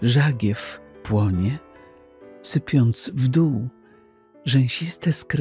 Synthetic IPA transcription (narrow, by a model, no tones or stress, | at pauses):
ʐaɡʲjɛfpwɔɲɛ | sɘpʲjɔnt̪svd̪uw | ʐɛ̃w̃ɕist̪ɛskɾ